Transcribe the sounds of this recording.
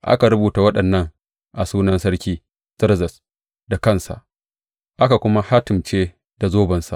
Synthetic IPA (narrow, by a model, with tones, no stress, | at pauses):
ʔa̰˦ka˨ɾʊ˦buː˨ta˨wɐ˦ɗɐ˨nːɐ˦ŋ | ʔa˨suː˦nɐ˦nsɐ˦ɽkʲiː˦ | z̥ɪ˦ɾzɐ˨s | da˨kɐ˦˨nsa̰˨ʔ | ʔa˦ka˨kʷʊ˦ma˦ha˦tɪ˨mt͡ʃeː˦ | d̥a˨zoː˦bɐ˨nsa˨ʔ